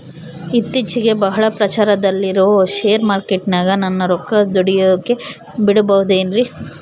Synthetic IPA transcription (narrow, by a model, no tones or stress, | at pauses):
it̪ːit͡ʃiɡe̞bɐɦɐɭɐpɾɐt͡ʃaːɾɐd̪ɐlːiɾoʋoʃeːɐɾmaːɾkeʈnaːɡɐnɐnːɐɾɔkːɐd̪oɽijod̪ukːe̞ | biɽɐbɐʋud̪eːnɾi